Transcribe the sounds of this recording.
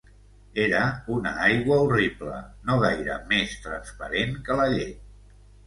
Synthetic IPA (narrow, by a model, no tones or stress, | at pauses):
eɾəunə̰ajɣwəuriplə̰noɣajɾə̰mest̪ɾənspəɾeŋkələʎej